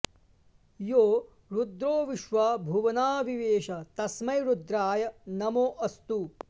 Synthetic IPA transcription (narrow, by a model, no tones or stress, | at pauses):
joː | ɾud̪ɾoːʋiʃʋaːbʱuʋɐnaːʋiʋeːʃɐt̪ɐsmɐjɾud̪ɾaːjɐnɐmoːʔɐst̪u